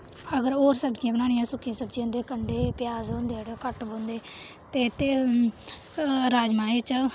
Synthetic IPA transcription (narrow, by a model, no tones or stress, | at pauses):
əɡəɾoːɾsəbd͡ʒijãːbənaːnɪjãːsʊkʰːiãːsəbd͡ʒiãːnd̪eːkəɳɖeːpɪjaːzɦõːnd̪eːɽoːkəʈbõːnd̪eː | t̪eːt̪eː | ɾaːd͡ʒmaːeːt͡ʃ